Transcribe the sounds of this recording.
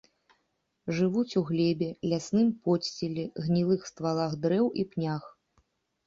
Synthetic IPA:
ʐɨvut͡sʲuɣlʲɛbʲɛlʲasnɨmpɔsʲt͡sʲilʲɛɣnʲilˠɨxst̪valˠaxd̪ɾɛwʔipnʲax

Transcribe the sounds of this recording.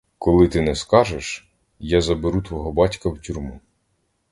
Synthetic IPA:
kɔlˠɪt̪ɪnɛskɑʒeʃ | jazɐbeɾut̪ʋɔɦɔbɑtʲkɐwtʲurmu

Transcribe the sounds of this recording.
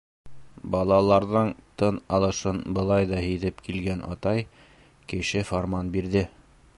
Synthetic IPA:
bɑlˠɑlˠɑɾðɤɴt̪ɤnɑlˠɤ̆ʃɤnbɤ̆lˠɑjðɑɦiðɘpkilɡænʔɑ̰t̪ɑj | kɘ̆ɕɘfoɾmɑnbiɾðɘ

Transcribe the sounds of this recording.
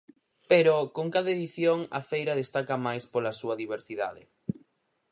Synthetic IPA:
peɾokoŋkaðaeðiθjoŋɐ̰fejɾɐðest̪akɐmajspolɐsuɐðiβeɾsiða̰ðɪ

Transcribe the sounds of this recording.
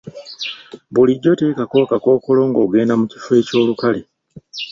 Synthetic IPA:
βuliɟːo̞te̞ːkako̞ːkako̞ːko̞lo̞ːŋɡo̞ːɡe̞ːnamuci̥fwe̞ːco̞ːlukale

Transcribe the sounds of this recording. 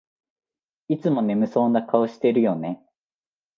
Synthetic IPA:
it͡sɨmo̞ne̞mɯ̟so̞ːnakaoɕi̥t̪e̞ɾɯ̟jo̞ne̞

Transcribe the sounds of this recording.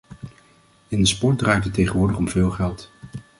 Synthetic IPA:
ɪndəspɔɹt̚draːjtətejχənʋʊːɹdəχɔmv̥ɪːlˠχɛlˠt

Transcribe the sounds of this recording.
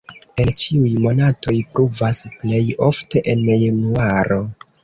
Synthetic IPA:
ent͡ʃiujmo̞nato̞jpɾuvasple̞jo̞fte̞ʔenjanuaɾo̞

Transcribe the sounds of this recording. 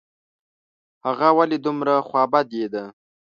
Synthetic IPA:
haɣawaled̪umɾaxwɑbad̪jed̪a

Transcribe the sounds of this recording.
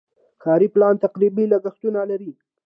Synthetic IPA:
kɑːɾiplɑnt̪aqɾibilaɡaxt̪unalaɾi

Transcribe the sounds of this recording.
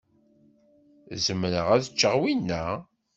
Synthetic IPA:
zəmnəʁæðət͡ʃːəʁwinːæ

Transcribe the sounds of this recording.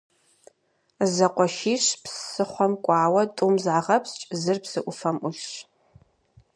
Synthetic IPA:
zɐqʷɔʃiːɕpssɨχʷɔmkʷʼɑːwɐtʼʊmzʕaʁɐpst͡ʃʼzɨrpsɨʔʷʊfɐmʔʊɬɕ

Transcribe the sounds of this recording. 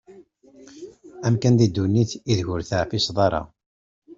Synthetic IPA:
æmkænd̪id̪ːunːiθiðʝʊɾθaʕfisðˤɑɾˤɑ̰

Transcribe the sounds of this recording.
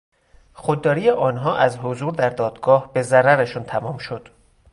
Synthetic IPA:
xod̪ːɒːɾiːjeʔɒːnɦɒːʔæzɦozuːɾd̪æɾd̪ɒːd̪ɡɒːhbe̞zæɾæɾeʃuːnt̪ʰæmɒːmʃo̞d̪̥

